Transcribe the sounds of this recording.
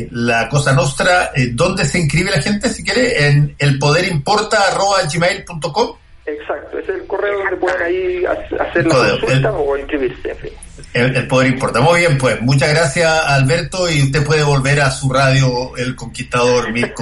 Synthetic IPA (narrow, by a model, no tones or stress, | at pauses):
lakosanwost̪ɾaed̪o̞nd̪eseiŋkɾiβelaxent̪esikje̞ɾeʔenelpoð̞eɾimpo̞ɾt̪aːro̞βaʝimejlpunt̪okom | eksak̚t̪oeseselkoreoðond̪epweðenaia̰sa̰seɾlkoðeoelt̪aoiŋkɾiβiɾseefɾi | eelpo̞ð̞eɾimpoɾt̪amujβje̞mpwesmut͡ʃaɣɾasjaːlβeɾt̪oiust̪epweð̞eβo̞lβeɾasuraðjoelkoŋkiht̪aðoɾmik